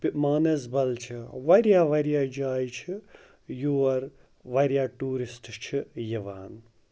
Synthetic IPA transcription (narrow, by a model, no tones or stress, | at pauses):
pmaːnɐsbɐlt͡ʃʰiʋɐɾjaːʋɐɾjaːd͡ʒaːjt͡ʃʰi | juːɐɾ | ʋɐɾjaːʈuːɾisʈt͡ʃʰijɐʋaːn